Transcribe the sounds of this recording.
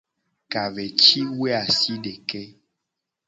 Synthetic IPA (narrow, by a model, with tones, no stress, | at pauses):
ka˨vɛ˨t͡ʃi˦we˦a˨si˦ɖe˨kɛ˦